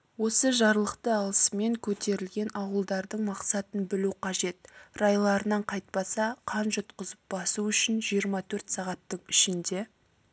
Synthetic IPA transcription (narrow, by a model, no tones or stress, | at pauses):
wo̞səʒɑɾlˠəqt̪əɑlˠəsme̞ŋkʲʰɵt̪e̞ɾɪlɡʲe̞nɑwəlˠd̪ɑɾd̪əɴmɑqsɑt̪ənbɪluqʰɑʒe̞t̪̚rɑjlˠɑɾənɑɴqʰɑjt̪̚pɑsɑqʰɑnʒʊt̪qəzəp̚bɑsuʏʃɪnʒijəɾmɑt̪ʰɵɾt̪sɑʁɑt̪ːəɴɪʃɪnd̪e̞